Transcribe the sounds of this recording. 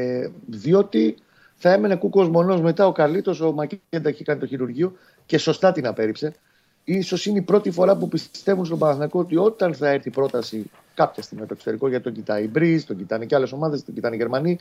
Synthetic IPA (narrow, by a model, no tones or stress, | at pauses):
ðio̞t̪i | θɐe̞me̞ne̞kuko̞zmo̞no̞zme̞t̪ɐo̞kɐlit̪o̞so̞mɐcend̪ɐeçekɐnit̪oçiɾuɾʝio̞ | ce̞so̞st̪ɐt̪inɐpe̞ɾipse̞ | iso̞sineipɾo̞t̪ifo̞ɾɐpupist̪e̞vunst̪o̞bɐnθnɐkoot̪io̞t̪ɐnθɐe̞ɾθipɾo̞t̪ɐsi | kɐpçɐst̪imijɐt̪oeksot̪e̞ɾiko̞ʝɐit̪o̞ɟit̪ɐibɾist̪oɟit̪ɐneceɐle̞so̞mɐðe̞st̪oɟit̪ɐniʝe̞ɾmɐni